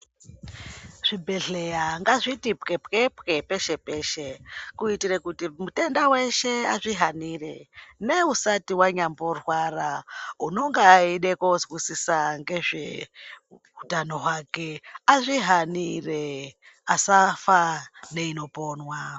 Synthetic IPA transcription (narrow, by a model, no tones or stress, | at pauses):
ʐ̥ibʱe̞ɮe̞jaŋɡaʐitipke̞pke̞pke̞pe̞ʃe̞pe̞ːʃekuitirekutimute̞ndawe̞ʃe̞aʐiɦanire̞ne̞usatiwaɲambo̞rwarauno̞ŋɡeːiɗe̞kozwisisaŋɡe̞ʐe | utano̞ɦwake̞aʐiɦanire | asafane̞ino̞po̞ːnwa